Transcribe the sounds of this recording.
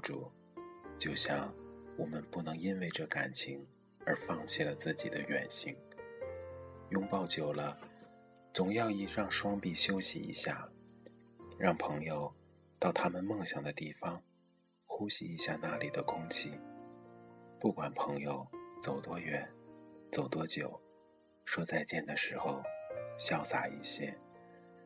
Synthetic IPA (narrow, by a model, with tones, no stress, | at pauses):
ʈ͡ʂṵ˨˩ | t͡ɕjo˥˧ʊɕjɑ˥˩ŋwɔ˨˩mə˦npu˥˩nɤ˧˥ŋi˥nwe˥˧ɪʈ͡ʂɤ˥˩ka̰˨˩nt͡ɕʰi˧˥ŋ | ə˞˧˥fɑ˥˧ŋt͡ɕʰi˥˩lə˩t͡sɹ̩˥˩t͡ɕḭ˨˩d̪ə˦ɥɛ̰˨˩nɕi˧˥ŋ | jʊ˥ŋpɑ˥˩ʊt͡ɕjo˨˩ʊlə˦ | t͡sʊ˨˩ŋjɑ˥˧ʊi˥˩ɻɑ˥˩ŋʂwɑ˥ŋpi˥˩ɕjo˥ʊɕḭ˧ḭ˧˥ɕja̰˥˩ | ɻɑ˥˩ŋpʰɤ˧˥ŋjo˨˩ʊ | t̪ɑ˥˩ʊt̪ʰa˥mə˨nmɤ˥˩ŋɕjɑ˨˩ŋd̪ə˦t̪i˥˩fɑ˧˥ŋ | xu˥ɕḭ˧i˧˥ɕja˥˧˩na˥˩li˨˩d̪ə˦kʰʊ˥ŋt͡ɕʰi˥˩ | pu˥˩kwa˨˩npʰɤ˧˥ŋjo˧ʊt͡so˨˩ʊt̪wɔ˥ɥɛ˧˥nt͡so˨˩ʊt̪wɔ˥t͡ɕjo˨˩ʊ | ʂwɔ˥t͡sa˥˧ɪt͡ɕjɛ˥˩nd̪ə˩ʂɻ̩˧˥xo˧ʊɕjɑ˥˧ʊsa˥˩ḭ˧˩ɕjɛ̰˥